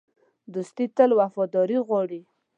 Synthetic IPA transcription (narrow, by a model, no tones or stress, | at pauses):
d̪ust̪it̪əlwafɔd̪ɑɾiɣwɑɽi